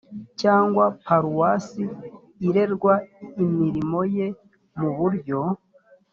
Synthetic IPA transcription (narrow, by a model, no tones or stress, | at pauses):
caːŋɡwapaɾuwasi | iɾe̞ɾɡwaimiɾimo̞je̞ | muβuɾɟo̞